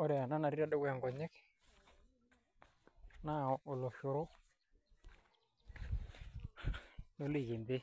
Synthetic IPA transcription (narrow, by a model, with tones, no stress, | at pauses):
ɔ˦ɾɛ˨a˨na˦na˨ɾi˦ɾa˦˨ɗo˦ɡa˨ŋɡɔ˨ɲe˦k | na˦˨ʊ˨lo˨ʃʊ˨ɾʊ˦ | no˦li˦˨ɣi˨ndɪ˦